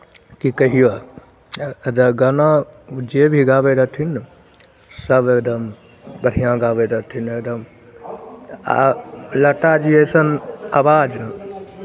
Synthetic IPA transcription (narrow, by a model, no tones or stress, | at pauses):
kikɐɦia | d̪ɐɡɐnãd͡ʒebʱiɡaːbeɾɐt̪ʰin | sɐbed̪ɐm | bəɽ̤ijãɡaːbed̪ɐt̪ʰined̪ɐm | a̰lɐʈad͡ʒiesɐna̰ːbaːd͡ʒn